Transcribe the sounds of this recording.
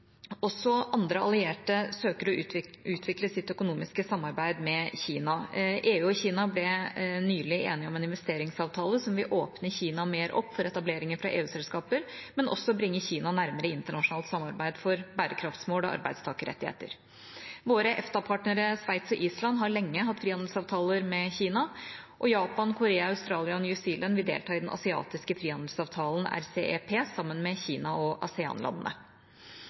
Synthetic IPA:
ɔsːɔʔɑnd̪ɾəɑ̰lɪeːʈəsøːkəɾɔʉːt̪ʰʋɪkləsɪt̪ːœkʊnuːmɪskəsɑmːɑɾbæɪd̪mɛçiːnɑʔeːʉːɔçiːnɑblɛnyːlɪḛːnɪɔmɛnɪnʋɛst̪eːɾɪŋsɑːʋt̪ʰɑːləsɔmʋɪʔoːpnəçiːnɑmeːɾʔɔ̰pːfɔɾɛt̪ɑbleːɾɪŋənfɾɑʔḛːʉːsɛlskɑːpəɾmɛnʔɔ̰sːɔbɾɪŋːəçiːnɑnæɾməɾəɪnt̪əɳɑʂʊnɑːlt̪sɑmːɑɾbæɪd̪fɔɾbæːɾəkʰɾɑft̪smoːlɔ̰ʔɑ̰ɾbæ̰ɪst̪ʰɑːkəɾɛ̰t̪ːɪhḛːt̪ə̰ɾ | ʋoːɾəʔɛft̪ɑpʰɑːʈɳəɾəsʋæɪt̪sɔʔiːslɑnɦɑɾɭɛŋːəɦɑt̪ːfɾiːhɑnd̪əlsɑːʋt̪ʰɑːləɾmɛçiːnɑʔɔjɑːpɑnkʰʊɾeːɑɑʉst̪ɾɑːlɪɑnjʉsiːlʔənʋɪld̪ḛːlt̪ʰɑːɪd̪ɛnʔɑ̰sɪɑ̰ːt̪ɪskəfɾiːhɑnd̪əlsɑːʋt̪ʰɑːln̩æ̰ɾsḛːepʰeːsɑmːənmɛçiːnɑɔʔɑ̰sɪɑ̰ːnlɑ̰nənə̰

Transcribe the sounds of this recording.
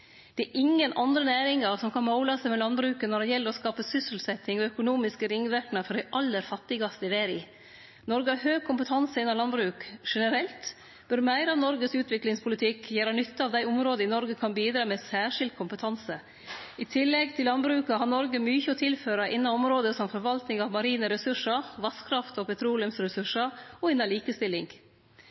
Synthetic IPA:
d̪̥ɛæːʔɪŋːənʔɑnd̪ɾənæːɾɪŋɑɾsɔmkʰɑnmoʊlɑsɛɪmɛlɑnbɾʉːkənɔɖɛjɛlːəɾɔskɑːpəsʏsəlsɛt̪ːɪŋɔœkʊnuːmɪskəɾɪŋːʋæɾknəfɔɾɖɛɪʔɑlːəɾfɑt̪ːɪɡɑst̪əɪʋæːɾɪ | nɔɾɡəɑɾɦøːɡ̚kʰʊmpət̪ʰɑnsəɪnːɑlɑnbɾʉːkʂɛnəɾɛlt̪ | b̥ʉɾmæɪɾɑʋnɔɾɡəsʉːt̪ʰʋɪklɪŋspʰʊlɪt̪ʰɪkːjøːɾənʏt̪ːəɑʋd̪æɪɔmɾoːd̪əɪnɔɾɡəkʰɑnbiːd̪ɾɑːmɛːsæːʂɪld̪̚kʰʊmpət̪ʰɑnsə | ɪt̪ʰɪlːɛɡt̪ʰɪllɑnbɾʉːkɑɦɑɾnɔɾɡəmyːçəɔt̪ʰɪlføːɾɑʔɪnːɑɔmɾoːd̪əsɔmfɔɾʋɑlt̪nɪŋɑʋmɑɾiːnəɾɛsʉʂəʋɑskʰɾɑft̪ɔpʰɛt̪ʰɾuːlɪəmsɾɛsʉʂəɔɪnːɑliːkəst̪ɪlːɪŋɡ

